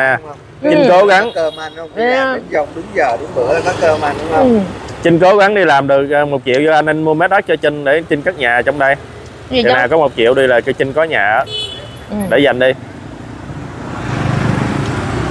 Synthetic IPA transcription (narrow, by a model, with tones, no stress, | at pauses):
aː˨˩˧ | t͡ɕï˧ŋ̟ko˨˦ɣa˨˦ŋəː˧ma˧nhə˧wŋ͡mi˨˦zə˧wŋ͡mɗʊ˨˦ŋ͡mzəː˨˩ɗʊ˨˦ŋ͡mɓɨ̰˧˥ə˨˩kaː˨˦˥kəː˧maː˧nɗʊ˨˧˦ŋ͡mə˧wŋ͡mt͡ɕi˧ŋ̟ko˨˦ɣa˨˦ŋɗi˧laː˨˩mɗɨ˨˩ək̚ʔəː˨˩mo˨˩t̚kḭ˧˨əwzɔ˧ʔa˧nʔa˧nmu˧me˦˥t̚ɗa˦˥t̚t͡ɕɔ˧t͡ɕï˧ŋ̟ɗe˧˩t͡ɕi˧ŋkaː˦˥k̚ɲaː˨˩t͡ɕɔ˧wŋ͡mɗə˧j | i˨˩maː˨˩kɔ˨˦mo˨˩t̚kḭ˧˨əwɗi˧laː˨˩kɨ˧˦t͡ɕi˧ŋ̟kɔ˨˦ɲaː˨˩ʔaː˨˦ | ɗḛ˧˩za˨˩jŋ̟ɗi˧